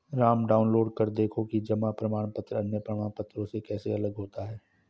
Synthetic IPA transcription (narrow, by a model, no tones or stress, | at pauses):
ɾaːmɖaːʊnloːɖkɐɾd̪eːkʰokid͡ʒɐmapɾɐmaːɽ̃pət̪ɾəɐnjəpɾɐmaːɳpət̪ɾõsekɛːseɐləɡɦoːt̪aɦɛː